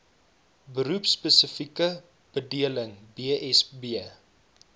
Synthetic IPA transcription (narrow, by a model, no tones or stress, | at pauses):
bəɾupspəsəfikə | b̥ədiələŋbiəʔɛsbiə